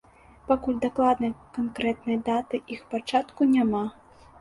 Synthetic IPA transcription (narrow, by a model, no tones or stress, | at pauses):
pakulʲd̪aklˠad̪nɐjkankɾɛt̪̚nɐjd̪at̪ɨʔixpat͡ʂat̪kunʲama